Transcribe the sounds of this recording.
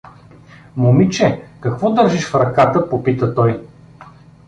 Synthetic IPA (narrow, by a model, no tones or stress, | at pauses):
momit͡ʃɛkɐkvɔd̪əɾʒiʃfɾɐkat̪əpopit̪ət̪ɔj